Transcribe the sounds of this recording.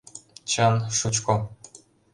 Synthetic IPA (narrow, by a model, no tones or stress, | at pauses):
t͡ɕɤnʃut͡ɕko